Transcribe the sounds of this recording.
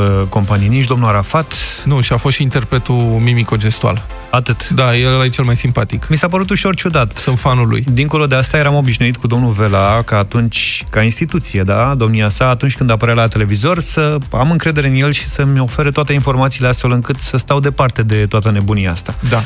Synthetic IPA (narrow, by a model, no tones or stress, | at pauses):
ko̞mpaniniʃ̬d̪o̞mnuaɾafat̪nuʃiafo̞sint̪e̞rpɾet̪umimiko̞d͡ʒe̞st̪ua̰l | at̪ɨt̪d̪ajeait͡ʃelmajsimpat̪ikmisap̬əɾut̪uʃo̞rt͡ʃud̪at̪ɨnfanulṵjd̪iŋko̞lo̞d̪e̞ast̪aje̞ɾamo̞biʃnuit̪̚kud̪o̞mnuve̞lakaːt̪unt͡ʃʲkainst̪it̪ut̪sije̞d̪ad̪o̞mniasaːt̪unt͡ʃʲkɨnd̪apəɾealat̪e̞le̞vizo̞rsəamɨŋkɾe̞d̪e̞ɾeɨnje̞lʃi̥səmʲo̞fe̞ɾət̪oat̪e̞info̞rmat̪sileast̪felɨŋkɨt̪səst̪awd̪e̞part̪e̞d̪e̞t̪oat̪əne̞buniaast̪ad̪a